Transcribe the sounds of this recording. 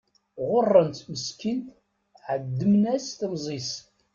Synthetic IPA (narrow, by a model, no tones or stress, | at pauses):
ʁʊrˤːənt̪məskint̪ | ʕəd̪ːəmnæst̪mzˤis